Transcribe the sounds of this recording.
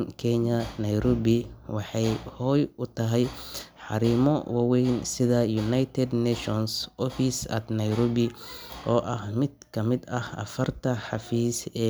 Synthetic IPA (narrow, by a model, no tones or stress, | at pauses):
nkʰɛɲɐnɐjɾɔbɪwɑħɑjhɔːjʊt̪ʰɐɦɛjħɑɾiːmɔwɑwɛjnsɪðɐjunajt̪ʰɛd̪nɛʃɔnsʔɔfisɐ̰d̪nɐjɾɔːbɪʔɔːʔɐhmɪd̪̚kʰɐmɪd̪ɐhɐ̰fɐrt̪ʰɐħɑfiːsɛː